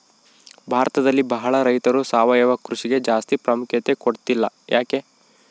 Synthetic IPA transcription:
bʱaːɾɐt̪ɐd̪ɐlːibɐɦɐɭɐɾɐjt̪ɐɾusaːʋɐjɐʋɐkɾuʃiɡe̞d͡ʒaːst̪ipɾɐmukʰjɐt̪ekoɽt̪ilːɐjʔaːke̞

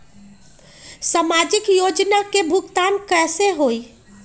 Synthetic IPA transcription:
samad͡ʒikjod͡ʒnakebʱukt̪ankɛseɦoj

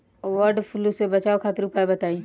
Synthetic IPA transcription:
ʋəɾɖpʰʊlusebɐt͡ʃaːokʰat̪ɾupaebɐt̪aːĩ

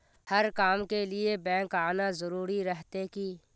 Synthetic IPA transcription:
hɐɾkaːmkelɪebɛ̃ːŋkaːnazɐɾuːɾiɾəɦt̪ekiː

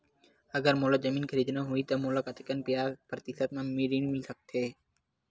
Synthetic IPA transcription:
əɡəɾmoːləkzəmiːnkʰəɾiːd̪naːɦʊit̪omoːləkaːt̪ɪkənpɪjaːzpɾət̪isət̪mãmiːɾiːnmɪlsək̚t̪ʰeː

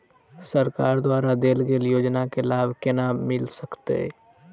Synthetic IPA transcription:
səɾkaːɾd̪waːɾad̪eːlɡeːljoːd͡ʒnakelaːbkenamɪlsəkt̪ḛ

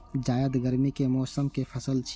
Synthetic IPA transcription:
d͡ʒaːjəd̪ɡəɾmikemɔːsəmkepʰəsəlt͡ʃʰ

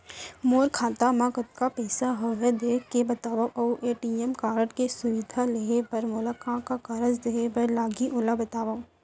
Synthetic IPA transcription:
moːɾkʰaːt̪amãkɐt̪kapɛːsaɦoːɦed̪eːkebɐt̪aːʋaʔɐʔeːʈiːemkaːɾʈkesʊʋɪd̪ʱaleepɐɾmʊləkãkakɐɾəd͡ʒd̪eepɐɾlaːɡiʔʊlabɐt̪aːʋa

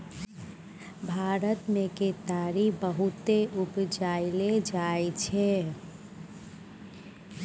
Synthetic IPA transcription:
bʱaɾət̪meket̪aɾibəɦut̪eʔubd͡ʒailed͡ʒaet͡ʃʰɛ

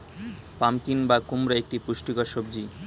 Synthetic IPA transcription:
pamkinbakumɾaek̚ʈipuʃʈikaɾʃobd͡ʑi

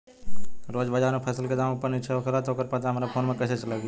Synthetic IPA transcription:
ɾoːd͡ʒbəd͡ʒaːnopʰɐsəlked̪aːmopənɪt͡ʃʰeokəɾat̪ʰokəɾpɐt̪aɦɐmaɾapʰoːnmẽkɛːset͡ʃɐlaɡi

